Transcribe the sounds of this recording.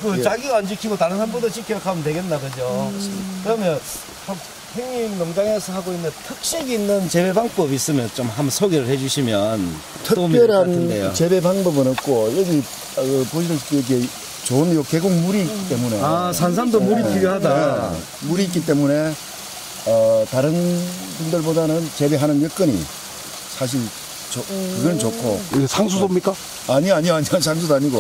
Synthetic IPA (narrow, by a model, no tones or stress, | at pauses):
kɯt͡ɕaɡiɡaand͡ʑikʰiɡotaɾɯnsʰambodot͡ɕikʰikʰaɯntweɡe̞nnːaɡɯd͡ʑokɯɾʌmjʌn | hak̚ | heŋɲimnʌŋd͡ʑaŋesʰʌɦaɡoinːɯntʰɯk̚ɕ͈iɡinːɯnt͡ɕe̞be̞baŋp͈ʌbis͈ɯmjʌnt͡ɕomɦamsʰoɡeɾɯɭhe̞d͡ʑuɕʰimjʌn | tʰɯopjʌɾanndejo̰t͡ɕe̞be̞paŋbʌbɯnɯk̚k͈ojɯɡi | ɯpoɕʰiɾɯit͈oɾʌk̬ʰe | t͡ɕoɯnjoke̞ɡoŋmuɾiːkki̥t͈e̞mune̞asʰans̬ʰandomuɾik͈iɡeɦadae | muɾiːk͈it͈e̞mune̞ | ʌtaɾɯn | bundɯɭbodanɯnt͡ɕe̞be̞ɦanɯnjʌk͈ɯnɲḭ | sʰaɕ̬ʰiɭ | t͡ɕokɯɡɯt͡ɕokʰo̰esʰaŋsʰudomɲik͈a | aɲiaɲioaɲiasʰaŋs̬ʰudoaɲiɡo